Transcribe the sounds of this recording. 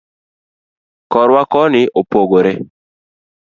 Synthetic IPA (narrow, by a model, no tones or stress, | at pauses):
kɔɾwakɔnɪʔopoɡoɾe